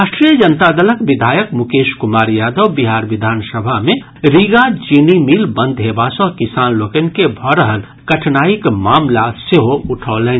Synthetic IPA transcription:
aːʃʈɾijəd͡ʒənt̪ad̪ələkʋɪd̪ʱaːjəkmukeːʃkʊmaːɾjaːd̪əwbiɦaːɾʋɪd̪ʱaːnsəbʱamẽ | ɾiɡad͡ʒinimiːlbə̃nd̪ʱɦebasɔ̃kisaːnloːkenkebʱɔːɾəɦən | kɐʈʰnaːikmaːmlaseɦoʊʈʰɔːlẽː

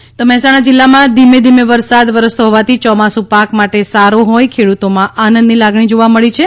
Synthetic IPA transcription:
t̪omɛɦɛsaɽ̃ad͡ʒilːamãd̪imed̪imeʋəɾsad̪ʋəɾəst̪oɦɔʋat̪ʰit͡ʃɔmasũpakmaʈesaɾoɦojkʰeɽut̪omãʔanənd̪nilaɡɳ̃id͡ʒoʋaməɭit͡ʃʰe

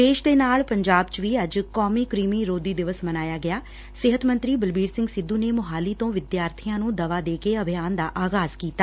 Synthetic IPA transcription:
d̪eːʃd̪eːnaːɭpəɲd͡ʒaːbt͡ʃʋiːəd͡ʒkɔːmiːkɾiːmiːɾoːd̪iːd̪ɪʋəsmənaːjaːɡɪjaː | sɪɦət̪mənt̪ɾiːbəlbiːɾsɪ̃ŋɡsɪd̪ːuːneːmʊɦaːliːt̪õːʋɪd̪jaːɾt̪ʰijãːnũːd̪əʋaːd̪eːkeəbʱɪjaːnd̪aːʔaːɣaːz̥kiːt̪aː

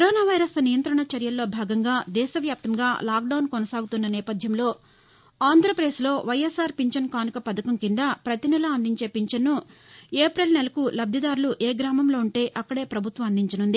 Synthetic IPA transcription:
koɾoːnaːʋɐjɾɐsnijɐnt̪ɾɐɳɐt͡ʃɐɾjɐlːo̞ːbʱaːɡɐŋɡaːd̪ɛːʃɐʋjaːp̚t̪ɐmɡaːlaːk̚ɖɐwnkɔnɐsaːɡut̪unːɐnɛːpɐd̪ʱjɐmlo̞ː | aːnd̪ɾɐpɾeːslo̞ːʋɐjesaːɾpiɲt͡ʃɐnkaːnikɐpɐd̪ɐkɐmkind̪ɐpɾɐt̪inɛlɐːnd̪iɲt͡ʃe̞ːpiɲt͡ʃɐnːueːpɾelnɛlɐkulɐb̚d̪jɐd̪aːɾuluʔeːɡɾaːmɐmlo̞ːuɳʈe̞ːʔɐkːɐɽe̞ːpɾɐbʱut̪ʋɐmɐnd̪iɲt͡ʃɐnund̪i

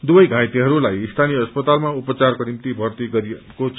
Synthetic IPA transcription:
d̪ubʌjɡʱãjt̪iɦʌɾulajist̪ʰanijʌʌspʌt̪almaupʌt͡sarkonimt̪ibʱʌrt̪iɡʌɾiko

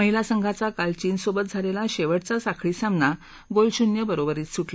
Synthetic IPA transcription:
məɦilasəŋɡʱat͡sakalt͡ɕiːnsobət̪̚d͡zʱaɾelaɕeʋəɽt͡sasakʰɭiːsamna | ɡolɕunjəbəɾobəɾiːt̪sʰuʈla

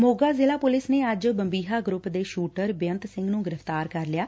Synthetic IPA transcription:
moːɡaːzeːlaːpʊlɪsneːəd͡ʒbəmbiːɦaːɡɾʊpd̪eːʃuːʈəɾbɪjənt̪sɪ̃ŋɡnũːɡɪɾəft̪aːɾkəɾlɪjaː

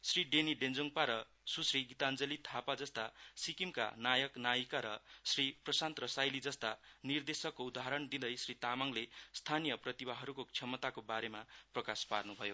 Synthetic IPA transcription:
sriɖeniɖend͡zoŋpaɾʌ | susriɡit̪and͡zʌlit̪ʰapad͡zʌst̪asikimka̰najʌknajikaɾʌsriprʌsant̪rʌsajlid͡zʌst̪anird̪esʌkːoud̪aɦaɾʌnd̪id̪ʌjsrit̪amaŋlest̪ʰanijʌprʌt̪ibaɦʌɾukokt͡sʰʌmʌt̪akobaɾemaprʌkasparnubʱʌjo

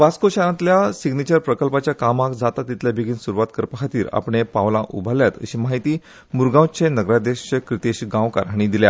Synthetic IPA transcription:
ʋaskoɕaɾãt̪ljasiɡnit͡ɕəɾpɾəkəlpat͡ɕjakamakd͡zat̪at̪ːit̪ljabʱiɡiːnsuɾuʋat̪kəɾpəkʰat̪iːɾa̰pɳepaʋlãʔṵbʱaljat̪ə̰ɕimaɦit̪iː | muɾɡãwt͡senəɡɾad̪eɕkɾit̪eɕɡãʋka̰ɾɦaɽ̃id̪ilja̰

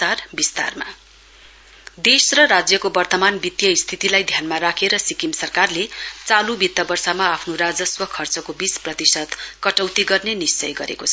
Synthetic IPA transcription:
arbist̪a̰rma̰ | d̪esrʌɾad͡zjʌkobʌrt̪ʌmanbit̪jʌist̪ʰit̪ilajd̪ʱjanmaɾakʰeɾʌsikimsʌrkarlet͡salubit̪ːʌbʌrsamaːpʰnorad͡zʌswʌkʰʌrt͡sʌkobisprʌt̪isʌd̪kʌʈʌwt̪iɡʌrnenist͡sʌjɡʌ̰ɾḛkot͡sʰʌ

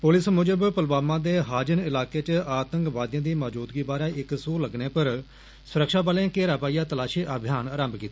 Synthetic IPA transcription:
pʊlɪsmʊd͡ʒəbpəlbaːmãːd̪eːɦaːd͡ʒənɪlaːkeːt͡ʃəaːt̪əŋkʋaːd̪jãːd̪iːmaːd͡ʒuːt̪ɡiːbaːɾeːɪksoːləɡneːpəɾ | sʊɾəkʃaːbaːlẽːkeːɾaːpaːijaːt̪əlaːʃiːʔaːbʱjaːnaːɾãːmbkiːt̪ː

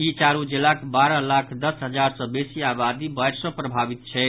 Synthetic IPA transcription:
it͡ʃaɾud͡ʒelakbaɾəlakʰd̪əsɦəd͡ʒaɾsə̃besiabad̪ibəjɾsə̃pɾəbʱabit̪t͡ʃʰɛ

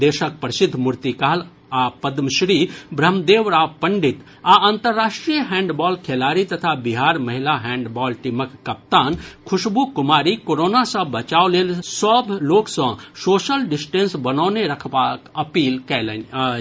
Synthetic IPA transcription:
d̪eːʃək̚pəɾsɪd̪ʱːmʊɾt̪ikaːl | apəd̪mʃɾiːbɾəmd̪eːʋɾaːpɐɳɖɪt̪ | aə̃nt̪əɾːaːʂʈɾijəɦɛ̃ːɳɖbɔːlkʰeːlaːɾit̪ɐt̪ʰabiɦaːɾmɐɦɪlaɦɛ̃ːɳɖbɔːlʈiməkːɐp̚t̪aːnkʰʊʃbukʊmaːɾikoɾoːnasɐ̃bɐt͡ʃaːoleːlsɔbʱloːksə̃soːʃəlɖɪsʈẽnsbɐnɔːneɾɐkʰbakɐpiːlkɛːle

